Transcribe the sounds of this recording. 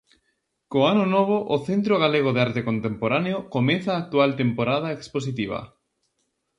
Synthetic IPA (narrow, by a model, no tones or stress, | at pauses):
koanʊnoβ̞oʔoθent̪̬ɾoɣ̞aleɣ̞oðeaɾt̪ekont̪empoɾaneokomẽθaːk̚t̪ualt̪empoɾað̞aeksposit̪iβ̞ɐ̰